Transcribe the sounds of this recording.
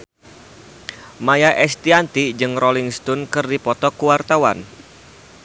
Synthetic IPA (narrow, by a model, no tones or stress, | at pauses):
majaʔɛst̪iant̪id͡ʒɨŋrɔliŋst̪ɔnkɨrdipɔt̪ɔkuwart̪awan